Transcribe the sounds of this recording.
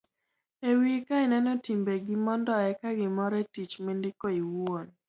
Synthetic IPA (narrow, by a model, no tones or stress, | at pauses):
ewikaɪnɛnɔtimbeɡɪmɔndɔɛkaɡɪmɔɾɛtit͡ʃmɪndɪkoiwon